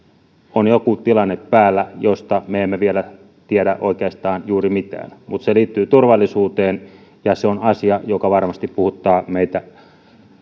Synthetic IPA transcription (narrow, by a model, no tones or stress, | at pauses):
onjokut̪ilɑnːeppæːlːæjost̪ɑmeemːeʋielæ | t̪ieɾæ̰ʔo̰ˑikeɑst̪ɑːnjuːrimit̪æ̰ːnmut̪seliːt̪ːyːt̪urʋɑlːˑisuːt̪eːn | jɑseonɑsiɑjokɑʋɑrmɑst̪ippuhut̪ːˑɑːmeˑit̪æ